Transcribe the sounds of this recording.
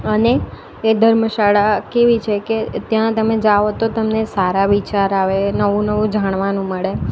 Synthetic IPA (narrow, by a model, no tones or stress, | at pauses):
əneː | d̪ʱəɾməʃaɭakeʋit͡ʃʰeket̪jãt̪əmed͡ʒaʋot̪ot̪əmnesaɾaʋit͡ʃaɾaʋenəʋũnəʋũd͡ʒaɽ̃ʋanũməɭe